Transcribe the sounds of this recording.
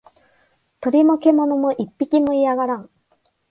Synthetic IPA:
t̪ɯɾimʌkʰemʌnumɯʔip͈ːik͈imɯijaɣaɾaŋ

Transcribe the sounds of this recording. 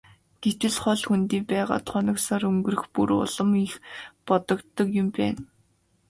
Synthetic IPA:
ɡ̥et̪ɘ̆ɮχɔɮxunt̪iːpæːʁa̰ːt̪χɔnɞ̆ksɔɾɵŋɡɵ̆rɘ̆xpuɾʊ̰ɮɞ̆mixpɔt̪ɞ̆kt̪ːɞ̆kjʊmpæ̰ːn

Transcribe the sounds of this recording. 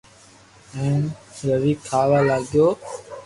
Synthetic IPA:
ɛ̃ːnɾəʋiːkʰaːʋaːlaːɠɪjoː

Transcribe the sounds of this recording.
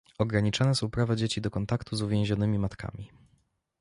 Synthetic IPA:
ɔɡɾaɲit͡ʂanɛsupɾavad͡ʑet͡ɕid̪ɔkɔnt̪akt̪uzuvʲjẽw̃ʑɔnɘmʲimat̪kʰa̰mʲi

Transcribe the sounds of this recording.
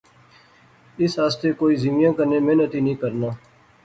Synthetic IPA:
ɪsɦaːst̪eːkoːiːzimɪjãːkəɾneːmeːnət̪iːnĩːkəɾnaː

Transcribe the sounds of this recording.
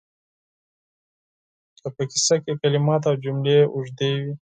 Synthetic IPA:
d̪əpaki̥sakekalimɑt̪awd͡ʒumleʔʊʐd̪ewi

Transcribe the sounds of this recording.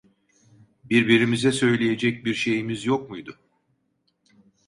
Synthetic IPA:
biɾbiɾimizɛsø̞jlʲeje̞d͡ʒɛc̚biɾʃe̞jimizjok̚mujd̪ʊ

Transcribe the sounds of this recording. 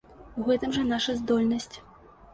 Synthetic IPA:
uɣɛt̪ɨmʐɐnaʂɐzd̪ɔlʲnɐsʲt͡sʲ

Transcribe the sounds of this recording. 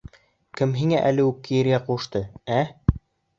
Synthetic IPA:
kɘmɦiŋæʔælɘʉkːijɘ̆ɾɡæqŭʃt̪ɤæ

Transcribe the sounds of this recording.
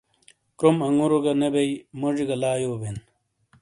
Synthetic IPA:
kɾomɐŋɡuɾoɡɐnebejmoʐiɡɐlaːjoːbin

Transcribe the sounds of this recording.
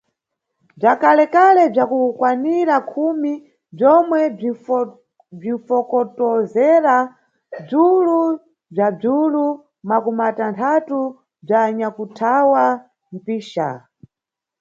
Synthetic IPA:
b͡ʐakalɛkalɛb͡ʐakukwaniɾakʰumi | b͡ʐɔmwɛ | b͡ʐifɔkɔtɔzɛɾa | b͡ʐulu | b͡ʐab͡ʐulu | makumatantʰatu | b͡ʐaɲakutʰawa | m̩piːʃa̰

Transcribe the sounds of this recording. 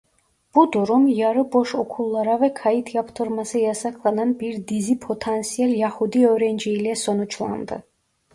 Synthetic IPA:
b̥ud̪uɾumjɑɾɯbo̞ʃo̞kʰulˠːɑɾavɛkʰɑjit̪ʰjɑpt̪ʰɯɾmɑsɯjɑsɑkʰlˠɑnɑnbiɾd̪izipʰo̞t̪ʰansijɛljahud̪iøɾɛnd͡ʒiilɛso̞nut͡ʃʰlˠɑ̰nd̪ɯ̰

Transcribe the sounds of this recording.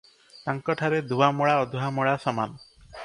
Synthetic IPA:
t̪aŋkɔʈʰaɾed̪uamɔɭaɔd̪ʱuɦamɔɭasɔma̰n

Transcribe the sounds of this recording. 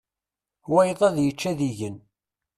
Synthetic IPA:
wæjðˤæðjət͡ʃːæðiʝən

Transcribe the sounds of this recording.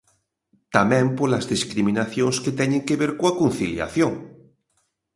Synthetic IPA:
t̪amɛ̃mpolazðiskɾimĩnaθjõŋsket̪ɛɲẽŋkeβeɾkoakon̟θilja̰θjoŋ

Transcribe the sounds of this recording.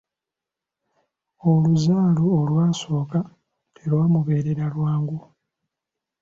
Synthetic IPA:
oluzaːluolwaːso̞ːka | tʰelwaːmuβe̞ːɾe̞ɾalwaːŋɡu

